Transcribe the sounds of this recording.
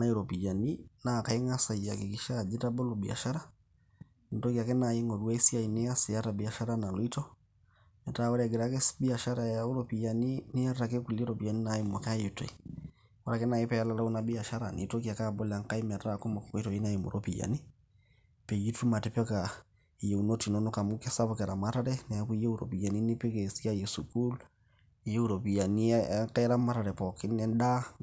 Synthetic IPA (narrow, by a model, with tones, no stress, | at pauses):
na˦i˦ɾɔ˨pi˨d͡ʒa˨ni˦na˨ka˨i˦ŋa˦sa˨ija̰˨kɛ˨ki˨ʃa˦˨d͡ʒi˦ta˦bɔ˦lɔ˨bi˨a̰˨ʃa˦ɾa˦ | ni˨tɔ˦ki˨a˨kɛ˦na˨i˦ŋɔ˨ɾwɛ˦si˦a˨i˨nɛ˦a˦sɛ˨a˦ta˨bi˨a˨ʃa˦ɾa˦na˨lɔ˨˦i˦tɔ˦ | mɛ˨ta˦˨wɔ˦ɾɛɡɛ˨ɾa˦kɛ˦sbi˦a˨ʃa˦ɾa˨ja˨u˦ɾɔ˦pi˨ja˨ni˦ni˦a˦ta˨kɛ˦ku˨li˦ɾɔ˨pi˨ja˨ni˦na˨ji˦mɔ˨ka˦ji˨tɔ̰˨i˨ | wɔ˦ɾa˨kɛ˦na˨e˦pɛ˦a˦la˦la˦u˦na˦bi˦a˨ʃa˦ɾa˨nḭ˨to˦ki˦a˨ka˦˨bɔ˦lɛ˨a˨ŋka˦i˦mɛ˨ɾɾa˨ko˦mɔ˨kɔ˨kɔ˦i˦tɔ˨i˦na˦i˨mo̰˨ɾʔo˦pi˨ja̰˨ni˦ | pe˨ji˦tu˦ma˨tɛ˨pɔ˦ka˨ | je˨u˨no˦ti˨nɔ˦nɔ˦ka˨mu˦kɛ˦sa˦bɔ˦kɛ˨ɾa˨ma˦ta˦ɾɛ˦nɛ˨a˦ku˦i˦je˦u˦ɾo̰˨pi˨ja˨ni˦nɪ˦pe˦ke˨si˦a˦je˨su˨ku˦l | je˦u˦ɾo˨pi˨ja˨ni˦ka˦ɾa˦ma˦ta˨ɾɛ˨pɔ˨kɪ˦nɛ˦nda˦